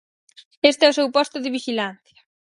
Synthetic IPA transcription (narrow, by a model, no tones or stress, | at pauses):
est̪ɛosewpɔst̪ʊðɪβiʃilan̟θjɐ